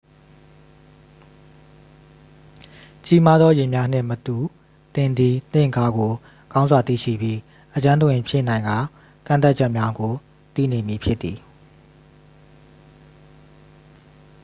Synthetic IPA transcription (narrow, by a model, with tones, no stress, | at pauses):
t͡ɕi˦ma˦d̪ðɔ˦jɪ˨mja˦n̥ɪ̰̃˦˨mət̪u˨ | t̪ɪ̃˨nd̪i˨n̥ɪ̰̃˦˨ka˦ɡo˨ | ɡ̥ã˦ʊ̃nzwa˨t̪ḭ˦˨ʃḭ˦˨bji˦ | ʔət͡ɕã˦nt̪ə˨wɪ̃˨pʰjɪ˦˨nã˨ɪ̃ŋɡa˦˨ | kã˦˨t̪a˦t̚t͡ɕʰɛ˦ʔmja˦ɡo˨ | t̪ḭ˦˨ne˨mji˨pʰjɪ˦t̪ːi˨